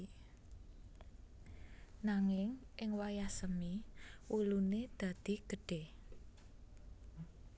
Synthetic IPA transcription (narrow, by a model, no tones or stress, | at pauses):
naŋɪŋʔɪŋwajahsəmiwuluned̪̥a̤d̪̥i̤ɡ̥ə̤ɖ̥eh